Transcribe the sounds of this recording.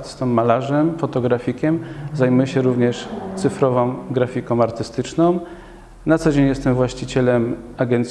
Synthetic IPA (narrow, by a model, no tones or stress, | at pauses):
t̪st̪ɔ̃mːalaʐɛmfɔt̪ɔɡɾafʲikʲɛmzajmujɛɕɛɾuvɲɛʂt̪sɘfɾɔvɔ̃w̃ɡɾafʲikɔ̃w̃aɾt̪ɘst̪ɘt͡ʂnɔ̃w̃ | nat̪sɔd͡ʑeɲjɛst̪ɛmvwaɕt͡ɕit͡ɕɛlɛmaɡɛnt̪sʲ